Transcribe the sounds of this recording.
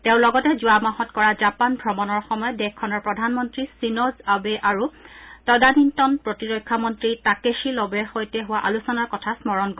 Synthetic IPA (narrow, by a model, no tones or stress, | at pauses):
tẽʊ̃lɔɡɔtɛzuʊamaɦɔtkɔɹazapanbʱɹɔmɔnɔɹxɔmɔjɔdɛxʰːɔnɔɹpɹɔdʱanmɔntɹisinɔzabɛʔaɹutɔdanintɔnpɹɔtiɹɔkʰːamɔntɹitakeʃilɔbɛxojtɛɦʊwaʔalusɔnaɹkɔtʰasmɔɹɔnkɔ